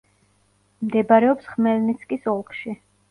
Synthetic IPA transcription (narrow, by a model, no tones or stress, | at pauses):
md̪ɛbaɾɛɔpsχmɛlnit̪sʰkʼisɔlˠkʰʃi